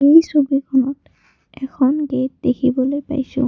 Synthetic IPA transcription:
ejsobikʰɔnɔt | ɛkʰɔnɡet̚dekʰibɔlojpa̰jsʊ̰̃

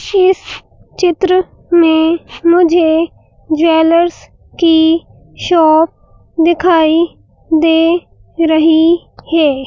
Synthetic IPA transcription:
ɪs | t͡ʃɪt̪ɾə | mẽmʊd͡ʒʱe | d͡ʒʋeːləɾs | ki | ʃɔːp̚ | d̪ɪkʰaːi | d̪eː | ɾɐɦi | hɛː

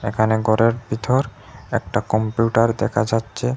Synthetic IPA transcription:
ekʰaneɡɔɾeɾbit̪ʰɔɾ | ɛkʈakɔmpjuʈaɾd̪ɛkʰad͡ʑatːɕʰe

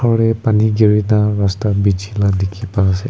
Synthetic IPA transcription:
ɔɹɛpaniɡiɹinaɹastabid͡ʒʱiladekʰipasɛ

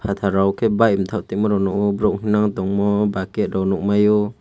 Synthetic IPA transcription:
pʰat̪ʰaɾawkʰebajmt̪ʰawt̪ɛk̚mɔɾɔwnɔkɔbɾɔk̚hinaŋdɔŋmɔbaket̚ɾɔwnɔk̚majɔ

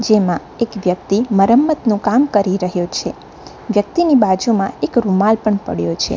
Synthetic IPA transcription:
d͡ʒemã | ekʋjək̚t̪iməɾəmːət̪nũkamkəɾiɾəɦjot͡ʃʰe | ʋjək̚t̪inibad͡ʒumãekɾumalpəɳpə̰ɽjot͡ʃʰḛ

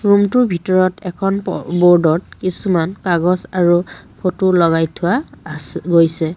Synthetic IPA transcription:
ɹumtʊɹbʱitɔɹɔtʰɛkʰɔnbɔɹdɔt̚kisumankaɡɔsaɹupʰotulɔɡajtʰʊwasɡojsɛ

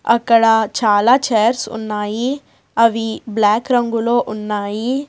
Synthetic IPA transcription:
ɐkːɐɽɐt͡ʃaːlaːt͡ʃeːɐɾsṵnːaːji | ɐʋiblaːkɾɐŋɡuloːʔunːaːji

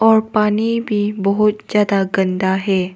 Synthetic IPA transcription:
ɔɾpanibʱibəɦut̪̚d͡ʑjad̪aɡənd̪aɦe

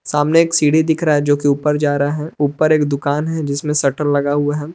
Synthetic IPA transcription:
saːmneːksiːɽid̪ɪkʰɾaaɛd͡ʒoːkiuːpəɾd͡ʒaːɾaaɦɛuːpəɾeːkd̪ʊkaːnɦɛd͡ʒɪsmẽsɐʈəllɐɡaɦuaɦɛ

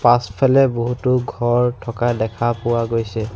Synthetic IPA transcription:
paspʰalɛboɦutʊɡʱɔɹtʰɔkadɛkʰapʊwaɡojsɛ

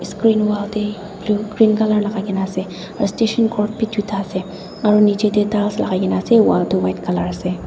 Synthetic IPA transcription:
skɹinwalde | blukɹinkalaɹlaɡaɡinaːsɛ | aɹɔsteʃɔnkɔɹp̚pidʰitʰaːsɛ | aɹɔnid͡ʒed̪ɛtalsla̰ɡajɡinaːsɛwa̰ldewajtkalaɹasɛ

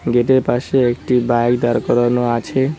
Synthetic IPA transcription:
ɡeʈepaʃeekʈibaɡd̪aɾkɔɾɔnoat͡ʃʰe

